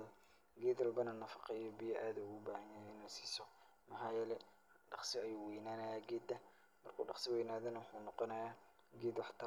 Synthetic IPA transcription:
ɡɛːd̪ɐlbɐnɐnɐfɑ̥qɛjɔbɪjɐʔaːðɐʊɣʊbaːhɐnajɛnɐsi̥ːsɔ | mɐħɑːjɛlɛ | ɖɑχsɪɐjuːwɛjnaːnɐjaːɡɛːd̪ɐ | mɐrkʰṵːɖɑχsɪwɛjnaːðɐnɐwʊħuːnɔqɔnɐjaː | ɡɛːd̪ħt̪ʰɐ

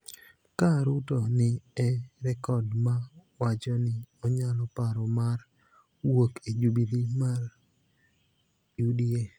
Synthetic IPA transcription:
kaɾutɔnɪɛɾɛkɔdmawat͡ʃɔnɪɔɲalɔpaɾɔmar | woked͡ʒubidimar | judie

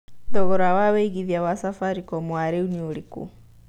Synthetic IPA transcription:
tɔɣɔɾawaweiɣiðiawasafaɾikɔmwaɾeunioɾikṵ

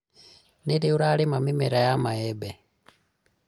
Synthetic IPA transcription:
niɾiuɾalimamimeɾajamaebe

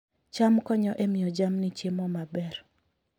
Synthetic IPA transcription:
t͡ʃamkɔɲɔʔemɪjɔd͡ʒamnɪt͡ʃemɔmabɛr

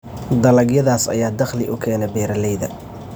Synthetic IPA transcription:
d̪ɐlɐɡjɐðaːsɐ̰jaːd̪ɐχlɪʔʊkʰɛːnɛbɛːɾɐlɛjðɐ

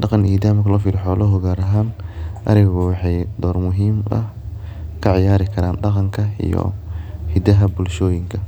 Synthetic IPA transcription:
ɖɑqɑnʔiːd̪aːmkʰɐlɔːfiːɾɪħɔːlɔɦɔɣaːɾɐɦaːnʔɐɾɪɣɣʊwɑħɑjd̪ɔːrmʊɦiːmʔɐ̰h | kʰɐʕɪjaːɾɪkʰɐɾaːnɖɑqɑŋkʰɐḭjɔ̰hɪd̪ɐɦɐbʊlʃɔːjɪŋkʰɐ

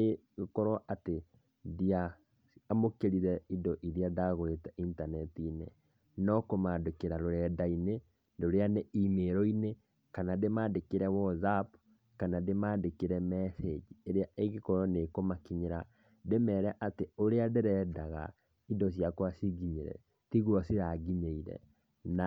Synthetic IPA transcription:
e | ɣekɔɾɔʔate | dia | amokeɾiɾɛidɔʔiðiadaɣoetaintanɛtinḛ | nɔkomadekeɾaɾoɾɛdaine | ndoɾeaneimeɾɔine | kanademaːdekeɾɛwɔzap | kanademaːdekeɾɛmɛfed͡ʒieɾeaʔeɣekɔɾɔnekomakiɲeɾa | demɛːɾɛʔateoɾeadeɾɛdaɣa̰ | idɔsjakwasiɣiɲeɾɛ̰ | tiɣwasiɾaɣiɲeiɾɛ̰ | na

